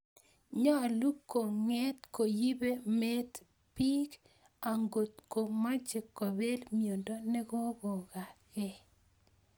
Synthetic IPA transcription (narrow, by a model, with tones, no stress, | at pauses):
ɲɔ˦˨lu˦kːo˨ŋɛ˦t̪ko˨ji˦be˦me˦t̪ | pi˦k | a˨ŋɡo˨t̪̚ko˨ma˦d͡ʒe˨kːɔ˨be˦lmijo˨ndo˦nɛ˦ko˦ɡo˨ka˨kɛ˨